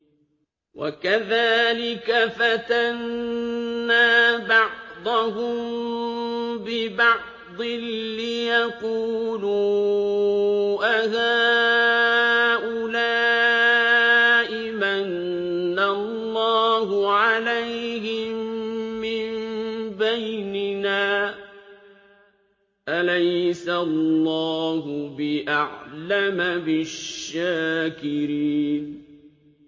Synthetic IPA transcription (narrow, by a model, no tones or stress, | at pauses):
wa̰kaðaːlɪkafat̪anː | aːbɑʕd̪ˤɑɦʊm | bɪbɑʕ | d̪ˤɪlːɪjaquːluː | ʔaðaː | ʔʊlaː | ʔɪmanː | alːɑːhʊʕalajhɪmː | ɪmbajnɪnaː | ʔalajsallːɑːɦʊbɪʔaʕlamabɪʃːaːkɪɾiːn